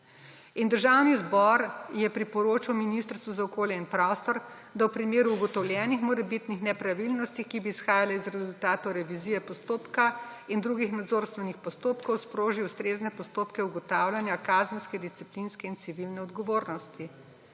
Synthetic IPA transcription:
ind̪əɾʒawnizbɔɾjɛpɾipɔɾoːt͡ʃiwminist̪əɾst̪ʋuzaɔkoːljɛinpɾɔst̪ɔɾ | d̪awpɾimeːɾuːɡɔt̪ɔwljɛnixmɔɾɛbit̪nixnɛpɾaʋilnɔst̪ikibiːsxaːjalɛizɾɛzult̪aːt̪ɔɾɛʋiziːjɛpɔst̪oːpkaind̪ɾuɡixnad̪zoːɾst̪ʋɛnixpɔst̪oːpkɔwspɾoːʒiust̪ɾeːznɛpɔst̪oːpkɛuɡɔt̪aːwlʲjanjakaːzənskɛd̪ist̪siplinskɛint̪siʋilnɛɔd̪ɡɔʋoːɾnɔst̪i

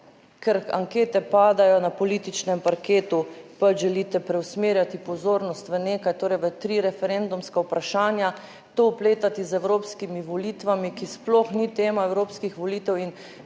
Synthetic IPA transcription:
kɛɾa̰ŋkeːt̪ɛpaːd̪ajɔnapɔlit̪it͡ʃnɛmpaɾkeːt̪upat͡ʃʒɛliːt̪ɛpɾɛwsmeːɾjat̪ipɔzoːɾnɔst̪ʋəneːkajt̪oːɾɛjʋət̪ɾiɾɛfɛɾend̪umskaupɾaʃaːnja | t̪oupleːt̪at̪izɛwɾoːpskimiʋɔliːt̪ʋamikisploxnit̪eːmaɛwɾoːpskixʋɔliːt̪ɛwin

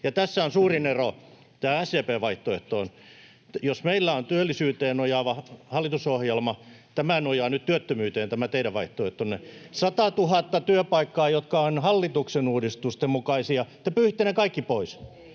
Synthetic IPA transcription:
jɑt̪æsːæonsuːrinero | t̪æːæsːeːpeːʋɑiht̪oḛht̪oːn | josmeilːæont̪yølːisyːt̪eːnojɑʋɑhɑlːit̪usohjelmɑt̪æmænojɑːnyt̪t̪yøt̪ːømyːt̪eːnt̪æmæt̪eiɾæʋʋɑiht̪oeht̪onːesɑt̪ɑt̪uhɑt̪ːɑt̪yøpɑikːɑːjot̪kɑonhɑlːit̪uksenuːdist̪ust̪emmukɑisiɑt̪ːepyːht̪ːænekɑikːipois

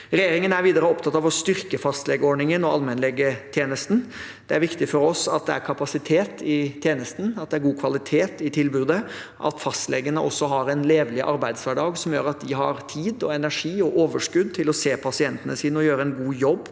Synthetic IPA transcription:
ɾɛjeːɾɪŋənæɾʋiːd̪əɾəɔp̚t̪ʰɑt̪ːɑʋɔst̪ʏɾkəfɑst̪lɛɡəɔːɖɳɪŋənɔɑlmɛnlɛɡət̪ʰjeːnəst̪n̩ | d̪̥ɛæɾʋɪkt̪ɪfɔɾɔsɑt̪̚d̪ɛæɾkʰɑpɑsɪt̪ʰeːt̪ʰɪt̪ʰjeːnəst̪n̩ɑt̪̚d̪ɛæɾɡuːkʰʋɑlɪt̪ʰeːt̪ɪt̪ʰɪlbʉːd̪ə | ʔɑ̰t̪fɑst̪lɛɡənəʔɔsːɔɦɑɾɛnleːʋlɪʔɑɾbæɪd̪sʋæɖɑːɡsɔmjøːɾɑt̪̚d̪ɪɦɑɾt̪ʰiːd̪ɔɛnæʂiːɔʔoːʋəʂkʉd̪̚t̪ʰɪlɔseːpʰɑsɪɛnt̪ənəsiːnəɔjøːɾəɛnɡuːjɔbː

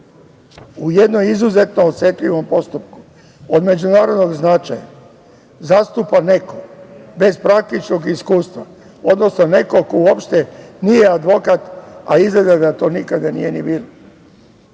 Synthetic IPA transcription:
ujed̪nomizuze̞t̪noot̪set̪ʎʲiʋo̞mpo̞st̪upku̥ | od̪me̞d͡ʒunaːɾo̞d̪no̞ɡznat͡ʃaja̰ | zast̪upane̞kobe̞zpɾak̚t̪it͡ʃno̞ɡiskuːst̪ʋa | o̞d̪no̞sno̞ne̞ko̞kouopʃt̪enije̞ad̪ʋo̞kat̪a̰izɡle̞d̪ad̪at̪o̞ːnikad̪anije̞nibiːlo

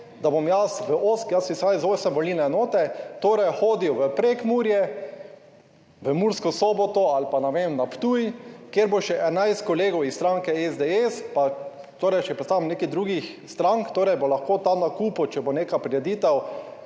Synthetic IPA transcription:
d̪abomjasʋəʔoskjasisazoːsəmʋɔlilnɛɛnoːt̪ɛt̪oːɾɛjxoːd̪iwʋəpɾekmuɾjɛ | ʋəmuɾskɔsɔbɔt̪ɔalpanɛʋemnapt̪uːjkjeɾboʃɛʔɛnajst̪kɔleːɡɔwisːt̪ɾãŋkɛɛzd̪eespa | t̪oːɾɛjt͡ʃɛpɾɛt̪st̪aːʋmnekid̪ɾuːɡix | st̪ɾãŋkt̪oːɾɛjbolaxkot̪anakuːpɔt͡ʃɛboneːkapɾiɾɛd̪iːt̪ɛw

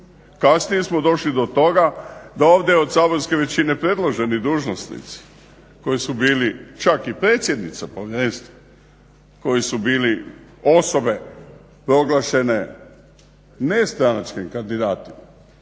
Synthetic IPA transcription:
kasnijesmo̞d̪o̞ʃlid̪o̞t̪o̞ɡad̪ao̞ːʋd̪ʲjeo̞d̪saːbo̞ɾske̞ʋe̞t͡ɕine̞pɾe̞d̪lˠoʒe̞nid̪uːʒnosnḭt̪si̥ | ko̞jisubiːlit͡ʃakipɾe̞ːt̪sʲjed̪nit̪sapo̞ʋjeɾenst̪o | ko̞jisubiːlio̞so̞be̞ | pɾo̞ɡlˠaʃe̞ne̞ | nest̪ɾanat͡ʃkimkand̪id̪aːt̪ima

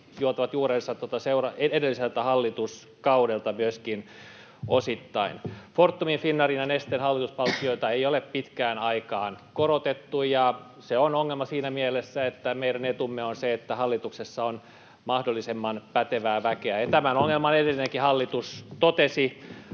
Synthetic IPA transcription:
juot̪ɑʋɑt̪juːrensɑt̪ot̪ɑseurɑeedelːiselt̪æhɑlːit̪us | kɑudelt̪ɑmyøskin | osit̪ːɑinfort̪ːuminfinːɑrinjɑnest̪enhɑlːit̪uspɑlt̪ːioit̪ɑeijoleppit̪kæːnɑikɑːnkorot̪et̪ːujɑ | seonoŋːelmɑsiːnæmielesːæet̪ːæmeiɾænet̪umːeonseet̪ːæhɑlːit̪uksesːɑon | mɑhdolːisemːɑnpæt̪eʋæːʋækeæjɑt̪æmænoŋːelmɑnedelːineŋkihɑlːit̪ust̪ot̪esi

